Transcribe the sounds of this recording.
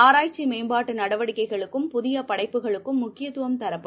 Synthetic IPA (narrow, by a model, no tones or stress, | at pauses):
aːɾaːjt͡ʃːimeːmbaːʈːɯnɐɽɐʋɐɽɪkːɐɪɣɐɭɯkːɯmpʊðɪjɐpɐɽɐɪpːɯɣɐɭɯkːɯmːʊkːɪjɐt̪ːɯʋɐmt̪ɐɾɐpː